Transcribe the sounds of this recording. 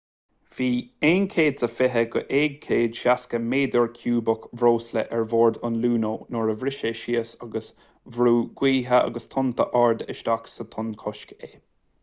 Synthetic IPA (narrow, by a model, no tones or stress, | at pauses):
v̥iːeːnkʰeːd̪səfɪɦəɡəʔeːɡ̚kʰeːd̪ʃaskəmeːd̪əɹkʰjuːbəkvɾoːsləʔɛɹvoːɹd̪ʊnluːnoːnoɹəvɾɪʃəʃiəsɑɡəs | vɾuːɡ̥wiːɦəʔɑ̰ɡəst̪ʰʊnt̪ʰəʔɑɹd̪ɪ̰ʃd̪aksət̪ʰʊnkʰɔʃkeː